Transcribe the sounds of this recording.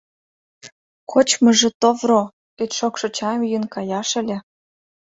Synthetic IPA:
kʰot͡ɕmɤ̆ʒĕt̪ovro | et̪ʃokʃɤ̆t͡ɕɑmjənkɑjɑʃə̆lʲĕ

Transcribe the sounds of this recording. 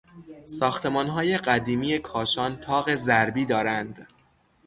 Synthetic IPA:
sɒːxt̪ʰe̞mɒːnɦɒːje̞ɢæd̪iːmiːje̞kʰɒːʃɒːnt̪ʰɒːɣe̞zæɾbiːd̪ɒːɾænd̪

